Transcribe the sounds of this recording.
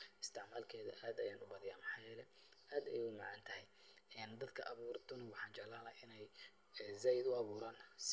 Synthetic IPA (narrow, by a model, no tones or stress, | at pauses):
ɪst̪ʰɪʕmaːlkʰɛːðɐ̰ʔaːd̪ɐjaːnʊbɐðɪjaːmɑħɑːjɛːlɛ | ʔaːd̪ɛjʊmaʕɑnt̪ʰɐɦɛj | ɛːnd̪ɐd̪kʰɐʔɐβuːrt̪ʊnɐwɑħɑːnt͡ʃɛlaːlɐɪnɛj | zɛjd̪ʊɑβuːɾaːns